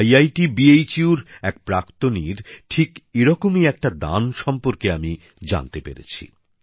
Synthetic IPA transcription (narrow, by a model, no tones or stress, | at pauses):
jajʈibiejt͡ɕiuɾɛk̚pɾakt̪oniɾʈʰikeɾɔkomiɛk̚ʈad̪a̰nʃɔmpoɾkeami | d͡ʑa̰nt̪epḛɾḛt͡ɕʰḭ